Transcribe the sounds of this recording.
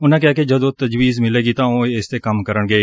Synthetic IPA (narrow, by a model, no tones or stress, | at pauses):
ʊnãːkjaːked͡ʒɐd̪ot̪ɐd͡ʒwiːzmɪleːɡit̪ãːõeɪst̪eːkɐmkəɾəɳɡəi